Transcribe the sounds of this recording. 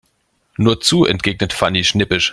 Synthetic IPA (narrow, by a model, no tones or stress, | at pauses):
nuːɐt͡suːʔɛ̰nt̚ɡ̥eːɡnətfaniʃnɪpɪʃ